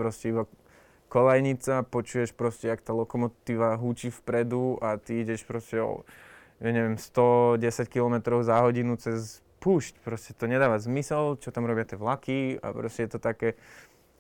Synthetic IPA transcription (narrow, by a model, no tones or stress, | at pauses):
pɾɔscɛiba | kɔlajɲit͡sapɔt͡ʃujɛʃpɾɔscɛakt̪aːlɔkɔmɔt̪iːʋaɦut͡ʃifpɾɛd̪uat̪iiɟɛʃpɾɔscɛɔ̰ | jaɲɛʋjɛmst̪ɔɟɛsackilɔmɛt̪ɾɔʊzaɦɔɟinut͡sɛs | puːʃcpɾɔscɛt̪ɔɲɛd̪aːʋazmisɛlt͡ʃɔt̪amɾɔbɪat̪ɪɛʋlakia̰pɾɔscɛjɛt̪ɔt̪akɛː